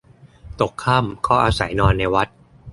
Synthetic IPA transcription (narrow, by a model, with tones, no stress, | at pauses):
t̪o˨˩kʰːaː˥˩mkʰɔː˥˩ʔaː˧sa˩˦jnɔː˧nːa˧jwa˦˥t̪̚